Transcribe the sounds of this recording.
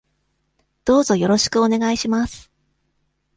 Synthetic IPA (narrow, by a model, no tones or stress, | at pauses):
d̪̥o̞ːzo̞jo̞ɾo̞ɕi̥kɯ̟one̞ɡaiɕimasɨ̥